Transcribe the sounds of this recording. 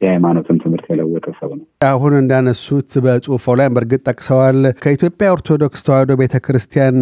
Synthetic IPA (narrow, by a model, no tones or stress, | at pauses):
jajmano̞t̪ʰɨnt̪ʰɨmhɨɾt̪jɛləwːɔt̪ʰəsəβunəaɦunɨnd̪anəsut̪bəsʼufolajmbəɾɡɨt̪ʼːəkʼsəwalkʰəit̪jo̞pʼjaoɾt̪ʰo̞d̪o̞kst̪ʰəwad̪obe̞t̪ʰəkʰɾɨst̪ʰijan